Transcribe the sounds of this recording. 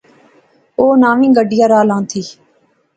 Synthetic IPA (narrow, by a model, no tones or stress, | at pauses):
oːnaːʋĩːɡəɖɪjaːɾaːlãːt̪ʰiː